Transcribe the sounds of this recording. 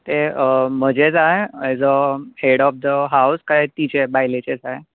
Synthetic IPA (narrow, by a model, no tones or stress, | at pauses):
t̪em̤əd͡ʑed͡zaɦed͡zəheɽɔfd̪əɦauskaet̪it͡ɕebaɦilet͡ɕed͡zaɦe